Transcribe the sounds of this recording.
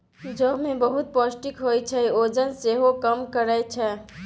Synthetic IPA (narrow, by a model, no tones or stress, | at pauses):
d͡ʒəɦmebəɦut̪̚pɔsʈikɦojt͡ʃʰɛod͡ʒənseɦokəmkəɾət͡ʃʰɛ